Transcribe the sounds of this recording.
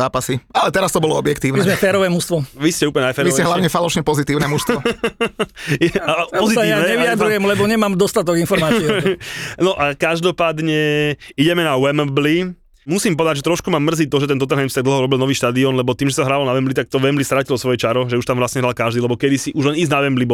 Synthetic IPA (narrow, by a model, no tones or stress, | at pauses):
aːpasialɛt̪ɛɾast̪ɔbɔlɔɔbjɛkt̪iːʊnɛzmɛfɛːɾɔʋɛːmust̪ʋɔʋiscɛuːpəlɲɛafɛːɾiʋɛɛɦlaʊɲɛfalɔʃɲɛpɔzit̪iːʊnɛmust̪ɔ | ɛapɔzitsaianɛɲɛʋiiad̪ujɛmlɛbɔɲɛmaːmd̪ɔst̪at̪ɔɡinfɔɾmaːt͡siɛnɔʔakaʒd̪ɔpaːd̪ɲɛiɟɛmɛnawɛmbli | musiːmpɔd̪aɟʒɛt̪ɾɔʃkumaːmːr̩ziːt̪ɔʒɛt̪ɛnt̪ɔt̪ɛnɦɛjmsit̪aɡd̪l̩ˠɦɔɾɔbilnɔʋiːʃt̪aːd̪iɔnlɛbɔt̪iːmʒɛsaɦɾaːʋalɔnaʋɛmblit̪ak̚t̪ɔʋɛmblist̪ɾacilɔsʋɔjɛt͡ʃaɾɔʒɛuʃt̪amʋɾasɲɛɦɾalkaʒd̪iːlɛbɔkɛd̪isiʔuʒlɛniznaʋɛmblibɔ